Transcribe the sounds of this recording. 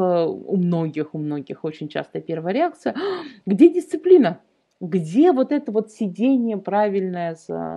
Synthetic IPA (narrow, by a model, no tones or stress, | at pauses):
əṵmno̞ɡʲɪxʊmno̞ɡʲɪxo̞t͡ɕɪnʲt͡ɕa̰st̪əjəpʲe̞rvəjəɾʲɪak̚t̪sɨjəɡdʲedʲɪst̪sɨplʲinə | ɡdʲe̞vo̞t̪ɛt̪əvo̞t̪sʲɪdʲenʲɪjəpɾavʲɪlʲnəjəs